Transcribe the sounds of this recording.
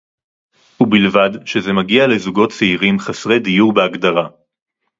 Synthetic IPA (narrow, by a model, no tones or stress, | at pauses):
hubilvadʃeze̞maɡiale̞zuɡo̞tt͡seiʁimχasʁe̞d̪ijuʁbeaɡd̪aʁa